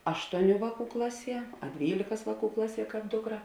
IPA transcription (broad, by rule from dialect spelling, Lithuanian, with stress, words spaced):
ˈɑːʃtuɔˌnʲuː ˈʋɑːˌkuː ˈklˠɑːˌsʲiɛ ɐ ˈdʲʋʲiːlʲeːkɐs ˈʋɑːˌkuː ˈklˠɑːˌsʲiɛ ˈkɑːp ˈdʊkˌrɐ